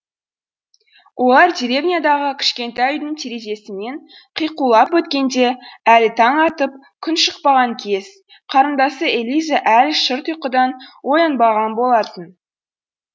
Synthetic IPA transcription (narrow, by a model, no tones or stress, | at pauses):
wʔo̞lˠɑɾd̪iɾe̞vnʲijad̪ɑʁəkʲʰɪ̥ʃkʲe̞nt̪ɑjʏjd̪əɴt̪ʰeɾe̞ʒe̞sɪme̞ɴ | qʰijqulˠɑpwɵt̪kʲe̞nd̪e̞ælɪt̪ʰɑɴɑt̪əp̚ | kʲʰʏnʃəq̚pɑʁɑŋkʲʰe̞z̥ | qʰɑɾənd̪ɑsəelʲijzaʔælʃəɾt̪ʰujqəd̪ɑnwo̞jɑnbɑʁɑnbo̞lˠɑt̪ən